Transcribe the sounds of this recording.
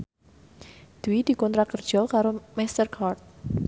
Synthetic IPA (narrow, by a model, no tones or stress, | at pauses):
d̪̥uid̪̥i̤kɔnt̪ɾakərd̥ʒ̥ɔ̤kaɾomist̪ərkʰart̪̚